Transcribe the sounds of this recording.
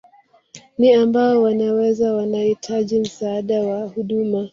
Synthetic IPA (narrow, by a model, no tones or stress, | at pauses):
niambaɔwanawɛzawanahitʰaʄim̩saːɗawahuɗuma